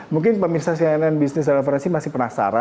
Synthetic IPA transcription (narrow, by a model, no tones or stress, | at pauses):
muŋk̬ɪnpəmirsas̬iaɛnɛnbisnɪs̬danafaɾɛnsimasɪhpərnasa̰ɾa